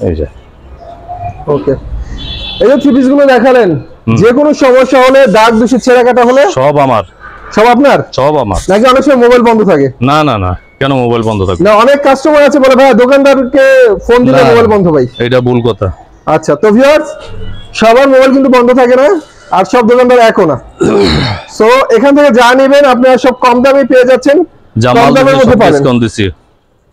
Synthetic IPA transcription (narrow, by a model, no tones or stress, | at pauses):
ḛd͡ʑa̰ | oke | ed͡ʑot̪ʰibis̬ɡulod̪ɛkʰalen | d͡ʑekonoʃːɔmoʃːaɦoleɖ̪ak̚d̪uʃiɾt͡ɕʰeɾakaʈ̬aɦoleʃɔbamaɾ | ʃɔbap̬naɾʃɔbama̰ɾnakiɔnekʃɔmamobajlbɔnd̪ʱot̪ʰakenanana̰kɛnomobajlbɔnd̪ʱot̪ʰa̰knaɔnekːasʈomoat͡ɕʰebolebʱajad̪okand̪aɾkefond̪ilemobajlbɔnd̪ʱobajejʈabulkɔt̪ʰa̰ | atːɕʰat̪obʱiaɾ | ʃɔbaɾmobajlk̬int̪ubɔnd̪ʱot̪ʰakena | aɾʃɔb̚d̪okand̪aɾɛkona | t̪oekʰanet̪ʰeked͡ʑanibenap̬naʃɔb̚kɔmd̪amipeed͡ʑatːɕʰen | d͡ʑamkɔmld̪ameɾmmod̪ʱːepaɾbenond̪isi